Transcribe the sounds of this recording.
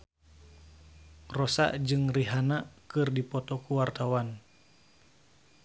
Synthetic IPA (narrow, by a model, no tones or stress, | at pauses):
rɔsa̰ʔd͡ʒɨŋriɦanakɨrdipɔt̪ɔkuwart̪awan